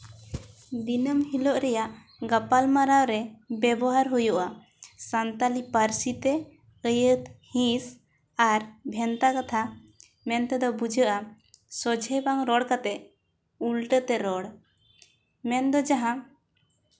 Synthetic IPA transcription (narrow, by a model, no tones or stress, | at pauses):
d̪inəmɦilɔʔɾɛjaʔ | ɡapalmaɾawɾɛbɛbɔɦaɾɦujuʔa | sant̪alipaɾsit̪ɛ | əjət̪hĩs | aɾbʱɛnt̪akat̪ʰa | mɛnt̪ɛd̪ɔbud͡ʒʱəʔa | sɔd͡ʒʱɛbaŋɾɔɽkat̪ɛʔ | ulʈət̪ɛɾɔɽ | mɛnd̪ɔd͡ʒaɦã